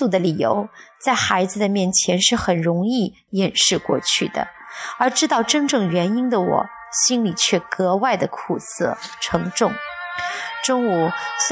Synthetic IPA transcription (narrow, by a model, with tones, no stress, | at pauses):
u˥˩d̪ə˩li˨˩jo̰˧˥ʊt͡sa˥˩ɪxa˧˥ɪd͡zɹ̩˧d̪ə˩mjɛ˥˩nt͡ɕʰjɛ˧˥nʂɻ̩˥˩xə˨˩nɻʊ˧˥ŋi˥˩ | jɛ˨˩nʂɻ̩˥˧kwɔ̰˥˧t͡ɕʰy˥˩d̪ə̰˩ə˞˧˥ʈ͡ʂɻ̩˥t̪ɑ˥˩ʊʈ͡ʂə˥nʈ͡ʂɤ˥˩ŋɥɛ˧˥ni˥nd̪ə˨wɔ̰˨˩˦ | ɕi˥nli˨˩t͡ɕʰɥɛ˥˩kɤ˧˥wa˥˩ɪd̪ə˩kʰu˨˩sɤ˥˩ʈ͡ʂʰɤ˧˥ŋʈ͡ʂʊ˥˩ŋ | ʈ͡ʂʊ˥ŋu˨˩